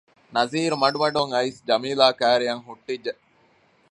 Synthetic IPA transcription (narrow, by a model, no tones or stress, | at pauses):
nɐziːɾumɐɖumɐɖoŋɐisd͡ʒɐmiːlaːkæːɾijɐŋɦuʈːidːe